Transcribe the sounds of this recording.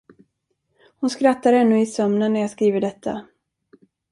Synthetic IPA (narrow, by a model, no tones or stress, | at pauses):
hʊnskɾat̪ːaɾɛnːɵɪsœmnənːæɾjaːskɾiːvəɖɛt̪ʰːa̰